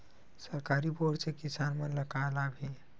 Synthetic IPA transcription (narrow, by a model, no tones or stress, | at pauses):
səɾkaɾiboɽsekisanmənləkalabʱi